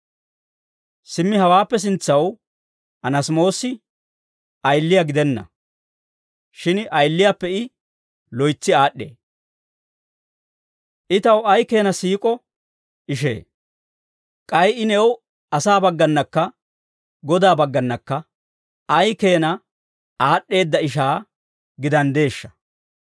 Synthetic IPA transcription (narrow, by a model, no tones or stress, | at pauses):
sɪmːɪɐwaːpːɛs̬ɪnt͡sːɐw | ʔɐnɐsmo̞ːsɪ | ɐjlːɪjaɡɪd̪ɛnːɐ̰ | ʃɪnʔɐjlːɪjapːɛɪ | lɔjt͡sːɪaːɗːḛː | ʔɪt̪ɐwɐjke̞ːnɐsiːkʼɔ | ɪʃ̬ḛː | kʼɐjɪnɛw | ɐsaːbɐɡːɐnːɐkːɐ | ɡɔd̪aːbɐɡːɐnːɐkːɐ | ɐjke̞ːnɐ | aːɗːe̞ːd̪ːɐɪʃ̬aː | ɡɪd̪ɐnd̪e̞ːʃːɐ̥